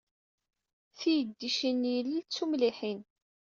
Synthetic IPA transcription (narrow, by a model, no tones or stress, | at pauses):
θijəd̪ːiʃinːjəlːit͡sːumliħin